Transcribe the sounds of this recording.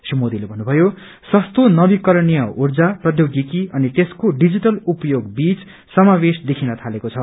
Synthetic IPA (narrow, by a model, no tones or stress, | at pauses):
simod̪ilebʱʌnːubʱʌjo | sʌst̪onʌbikʌɾʌnijʌurd͡zaprʌd̪ʱjoɡjikiʌnit̪eskoɖid͡ziʈʌlupʌjoɡbit͡s | sʌmabesd̪ekʰinʌt̪ʰalekot͡sʰʌ